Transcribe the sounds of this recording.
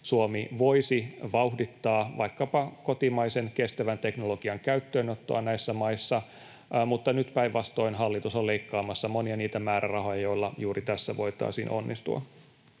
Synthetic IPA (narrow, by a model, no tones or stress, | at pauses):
suomiʋo̞isiʋɑuhdit̪ːɑːʋɑ̰ikːɑpɑkot̪imɑisenkest̪æʋænt̪eknoloɡ̥iɑŋkæyt̪ːøːnot̪ːo̰ɑnæisːæmɑisːɑ | mut̪ːɑnyt̪pæiʋʋɑst̪o̞inɦɑlːit̪usoleikːɑːmɑsːɑmoniɑniːt̪æmæːɾærɑɦo̞jɑjoilːɑjuːrit̪æsːæʋoit̪ɑ̰ːsḭːnʔo̰nːist̪ṵɑ̰